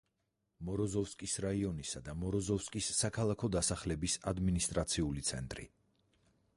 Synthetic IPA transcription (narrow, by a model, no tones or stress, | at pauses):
mɔɾɔzɔfskʼisɾaiɔnisad̪amɔɾɔzɔfskʼisːakʰalˠakʰɔd̪asaχlɛbisad̪minist̪ʼɾat̪sʰiulit̪sʰɛ̰nt̪ʼɾḭ